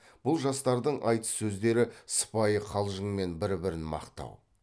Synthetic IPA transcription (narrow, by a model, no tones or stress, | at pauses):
b̥ʊlˠʒɑst̪ɑɾd̪əɴʔɑ̰jt̪ə̥sɵzd̪e̞ɾɪsə̥pɑjəqʰɑlˠʒəɴme̞nbɪɾbɪɾɪnmɑ̰qt̪ɑ̰w